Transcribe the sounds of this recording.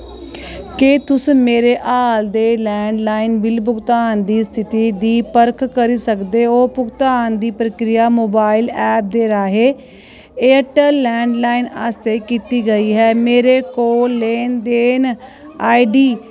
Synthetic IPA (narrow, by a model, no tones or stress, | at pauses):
keːt̪ʊsmeːɾeːʔaːld̪eːlɛːɳɖlaːɪnbɪlbʊɡt̪aːnd̪iːst̪ʰɪt̪iːd̪iːpəɾkʰkəɾiːsəkd̪eːoːpʊɡt̪aːnd̪iːpɾəkɾɪjaːmoːbaːɪlɛːp̚d̪eːɾaːɦeː | eːəʈəːɛːɳɖlaːɪna̰ːst̪eːkiːt̪iːɡəiːɦɛːmeːɾeːkoːlːeːnd̪eːn | aːiɖiː